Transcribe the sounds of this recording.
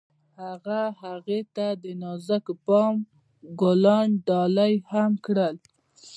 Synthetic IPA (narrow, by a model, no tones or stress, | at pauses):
haɣahaɣet̪ad̪ənɑzakəpɑm | ɡolɑɳɖɑlajhamkɽəl